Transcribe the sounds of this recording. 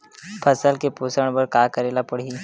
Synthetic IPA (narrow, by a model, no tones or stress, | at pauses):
pʰəsəlkepuːsəɽ̃bəɾkaːkəɾeːlapəɽ̤i